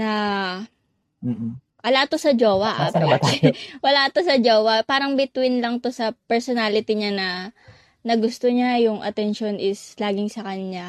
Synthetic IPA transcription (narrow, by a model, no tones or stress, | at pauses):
nɐ | wɐlat̪osɐd͡ʒoːwɐʔ | wɐlat̪osɐd͡ʒoːwɐpaːɾɐŋbɪt̪wɪnlɐŋt̪o̞sɐpɛɹsonalɪt̪ɪɲanɐ | nɐɡʊst̪oɲajʊŋʔɐ̰t̪ɛnʃonʔɪslaːɡɪŋsɐkɐɲɲa